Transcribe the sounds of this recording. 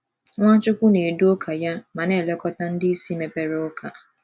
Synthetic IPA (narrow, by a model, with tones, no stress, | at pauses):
ŋʷã˦t͡ʃʊ˦kʷʊ˦ne˨e˨du˦o˦kʰa˨ja˦mã˨nɛ˦˨lɛ˦kɔ˦ta˦n̩˦dɪ˦si˦me˨pe˨ɾe˦ʊ˦kʰa˨